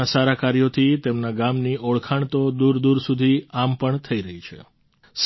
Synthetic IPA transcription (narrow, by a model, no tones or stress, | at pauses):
asaɾakaɾijot̪ʰit̪emnaɡamniʔoɭkʰaɳ̃t̪od̪uɾd̪uɾsud̪ʱiampəɳt̪ʰəiɾəɦit͡ʃʰḛ | s